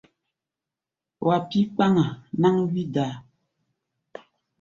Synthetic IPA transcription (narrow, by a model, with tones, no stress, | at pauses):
wa˨pi˦k͡pa˦ŋa˨na˦ŋwi˦da˨˦